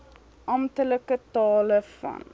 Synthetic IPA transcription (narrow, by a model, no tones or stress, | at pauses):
ʔɐmtələkətɑːləfɐ̰n